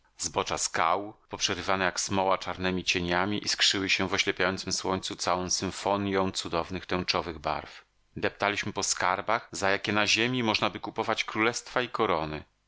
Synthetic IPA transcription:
zbɔt͡ʂaskawpɔpʂɛɾɘvanɛjaksmɔwat͡ʂaɾnɛmʲit͡ɕeɲamʲiʔiskʂɘwɘɕɛvɔɕlɛpʲjajɔnt̪sɘmswɔɲt̪sut̪sawɔ̃sɘ̃ɱfɔɲjɔ̃w̃t̪sud̪ɔvnɘxt̪ɛw̃t͡ʂɔvɘɣba̰ɾf | d̪ɛp̚t̪alʲiɕmɘpɔskaɾbaxzajakʲɛnaʑemʲimɔʐnabɘkupɔvat͡ɕkɾulɛst̪faikɔɾɔnɘ̰

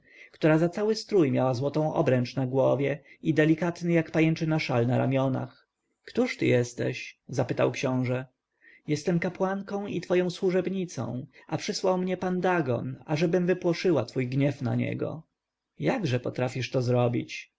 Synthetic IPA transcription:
kt̪uɾazat̪sawɘst̪ɾujmʲjawazwɔt̪ɔ̃w̃ɔ̰bɾɛnt͡ʂnaɡwɔvʲjɛid̪ɛlʲikat̪nɘjakpajɛnt͡ʂɘnaʂalnaɾa̰mʲjɔna̰x | kt̪uʂt̪ɘ̰jɛst̪ɛ̰ɕzapɘt̪awkɕɔ̃w̃ʐɛ | jɛst̪ɛmkapwaŋkɔ̃w̃ḭt̪fɔjɔ̃w̃swuʐɛbɲit̪sɔ̰̃w̃ʔapʂɘswawmɲɛpand̪aɡɔ̰na̰ʐɛbɘmvɘpwɔʂɘwat̪fujɡɲɛfna̰ɲɛ̰ɡɔ̰ | jaɡʐɛpɔt̪ɾafʲiʂt̪ɔzɾɔbʲit͡ɕ

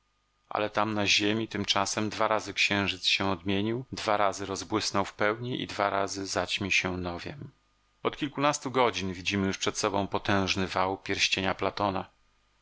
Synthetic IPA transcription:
ʔa̰lɛt̪amnaʑemʲit̪ɘmt͡ʂasɛmd̪vaɾazɘkɕɛ̃w̃ʐɘt̪sɕɛ̃ɔd̪mʲjeɲiwd̪vaɾazɘɾɔzbwɘsnɔwfpɛwɲiʔḭd̪vaɾazɘzat͡ɕmʲiɕɛnɔvʲjɛ̰m | ɔt̪kʲilkunast̪uɡɔd͡ʑinvʲid͡ʑimɘjuʂpʂɛt̪sɔbɔ̃w̃pɔt̪ɛ̃w̃ʐnɘvawpʲjɛɾɕt͡ɕeɲaplat̪ɔna

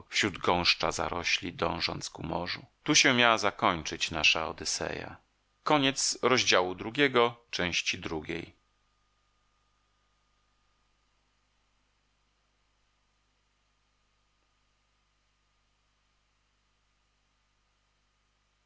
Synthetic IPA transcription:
fɕɾud̪ɡɔ̃w̃ʂt͡ʂa̰za̰ɾɔɕlʲid̪ɔ̰̃w̃ʐɔ̰nt̪skumɔʐṵt̪uɕɛmʲjawazakɔɲt͡ʂɘt͡ɕnaʂaɔd̪ɘsɛ̰ja̰ | kɔɲɛt̪sɾɔʑd͡ʑawud̪ɾuɡʲɛɡɔt͡ʂɛ̃w̃ɕt͡ɕid̪ɾuɡʲḛj

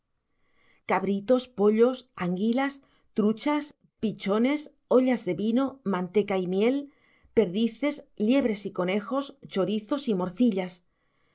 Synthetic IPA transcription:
kaβɾit̪o̞spo̞ʎo̞saŋɡilas | t̪ɾut͡ʃas | pit͡ʃone̞s | oʎazðe̞βinomãnt̪ekaimje̞l | pe̞ɾðiθe̞slje̞β̞ɾe̞siko̞ne̞xo̞st͡ʃo̞ɾiθo̞simoɾθiʎas

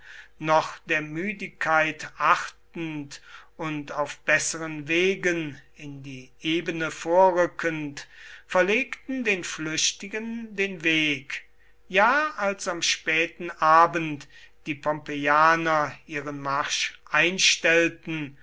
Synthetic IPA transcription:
nɔχd̥eːɐmyːdɪkʰːaɪtʔaχtn̩tʊntaʊfb̥ɛsəʁənveːɡənɪndiːʔeːbənəfoːɐʁʏkʰəntfɛɐleːktn̩deːnflʏɕtɪɡəndeːnveːk | jaːalsamʃpɛːtn̩ʔaːbənt | d̥iːpʰɔmpejaːnɐʔiːʁənmaʁʃʔaɪnʃtɛltn̩

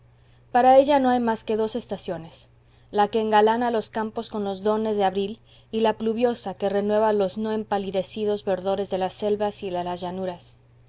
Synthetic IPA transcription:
paɾae̞ʝano̞ajmaske̞ðo̞se̞st̪asjo̞ne̞s | lake̞ːŋɡalanalo̞skampo̞sko̞nlo̞zðo̞ne̞zðeaβɾil | ilapluβjo̞sake̞re̞nwe̞βalo̞zno̞e̞mpaliðe̞sið̞o̞zβe̞ɾðo̞ɾe̞zðe̞lase̞lβasilelazʝanuɾas

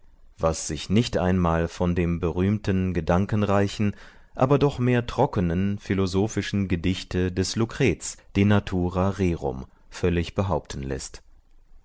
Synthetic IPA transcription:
vasz̥ɪçnɪçtʔa̰ɪnmaːlfɔndeːmbəʁyːmtən̩ɡədaŋkən̩ʁaɪçn̩ | ʔa̰ːbɐdɔχmeːɐtʁ̥ɔkənənfilozoːfɪʃn̩ɡədɪçtədɛslukʁ̥ɛːt͡sd̥eːnatʰuːʁaʁeːʁʊ̰m | fœlɪçb̥əɦaʊp̚tn̩lɛ̰st

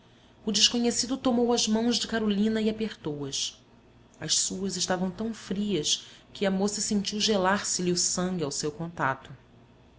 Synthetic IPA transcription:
ʊd͡ʒɪʃkoɲesid̪ʊt̪omowɐzmɐ̃w̃ʒd͡ʒɪkaɾolĩnɐiapeɾt̪owɐs | ɐʃsuɐzɪʃt̪avɐ̃w̃t̪ɐ̃w̃fɾiɐskʰɪɐmosɐsẽɲt͡ʃiwʒelaɾsɪlɪʊsɐ̃ŋɡʲɪawsewkõnt̪a̰t̪ʊ

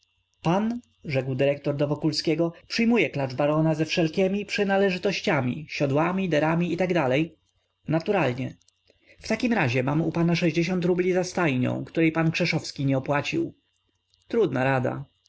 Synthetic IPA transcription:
pan | ʐɛɡwd̪ɘɾɛkt̪ɔɾd̪ɔvɔkulskʲɛɡɔpʂɘjmujɛklaʐbaɾɔnazɛfʂɛlkʲɛmʲipʂɘnalɛʐɘt̪ɔɕt͡ɕamʲḭɕɔd̪wamʲid̪ɛɾamʲiit̪aɡd̪alɛj | nat̪uɾalɲɛ | ft̪akʲimɾaʑɛmamupanaʂɛʑd͡ʑeɕ̬ɔnt̪ɾublʲizast̪ajɲɔ̰̃w̃kt̪uɾɛjpankʂɛʂɔfskʲiɲɛɔpwat͡ɕiw | t̪ɾud̪naɾad̪a̰

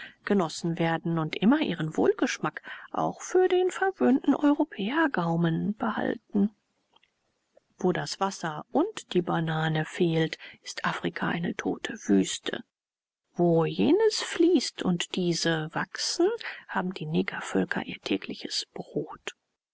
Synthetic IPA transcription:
ɡ̥ənɔsn̩veːɐdn̩ʊntʔɪmɐʔḭːʁənvo̰ːlɡəʃmakʔa̰ʊxfyːɐdeːnfɛɐvøːntn̩ʔɔʏʁopʰɛːɐɡaʊmənb̥əha̰ltn̩ | v̥oːdasv̥asɐʔʊntd̥iːbanaːnəfeːltɪstʔaːfʁ̥ikʰaʔa̰ɪnətʰo̰ːtʰəv̥yːstʰə̰ | voːjeːnəsfliːstʰʊntd̥iːzəvaksn̩haːbm̩d̥iːnɛːɡɐfœlkʰɐ̰ʔiːɐtʰɛ̰ːklɪçəsb̥ʁoːt

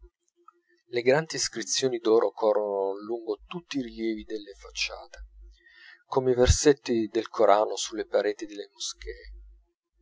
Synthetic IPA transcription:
leɡɾand̪iːskɾit̪sːjoːnid̪ɔːɾʔokʰɔrːonoluŋɡot̪ut̪ːiɾiljɛːvid̪elːefat͡ʃːaːt̪e̥ | komeiverset̪ːid̪elkʰoɾʔaːnosulːepaɾeːt̪id̪elːemosk̟ʰɛː

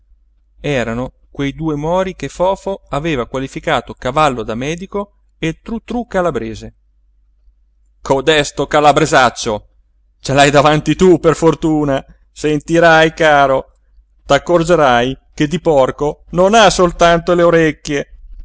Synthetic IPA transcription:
ɛːɾano | kwejd̪uːemɔːɾikefɔːfoaveːvakwalifikaːt̪okavalːod̪amɛːd̪iko | et̪ɾut̪ːɾukːalabɾeːze | kʰod̪ɛst̪okalabɾezat͡ʃːo | t͡ʃelajd̪avant̪it̪uperfort̪uːna | sent̪iɾajkaːɾo | t̪akːord͡ʒeɾaj | ked̪ipɔrkononasolt̪ant̪oleoɾekːje

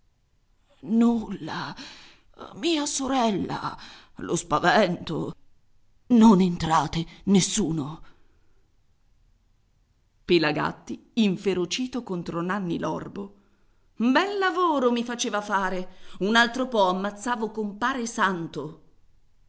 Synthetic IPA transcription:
nulːa | miːasoɾɛlːa̰ | lʔo̰spavɛnt̪o̰ | nonent̪ɾaːt̪enesːuːno | pelaɡa̰t̪ːiiɱfeɾot͡ʃiːt̪okont̪ɾonanːilɔrbo | bɛlːavoːɾomifat͡ʃeːvafaːɾeunalt̪ɾopɔamːat̪sːaːvokompaːɾesant̪o

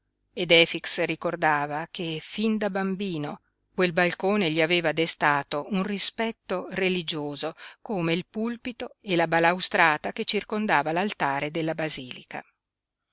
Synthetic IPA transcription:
ed̪ɛːfiksrikord̪aːvakefind̪abambiːno | kwelbalkoːneʎiaveːvad̪est̪aːt̪ounrispɛt̪ːorelid͡ʒoːzokoːmeilpulpit̪oelabalawst̪ɾaːt̪aket͡ʃːirkond̪aːvalalt̪aːɾed̪elːabaziːlika̰

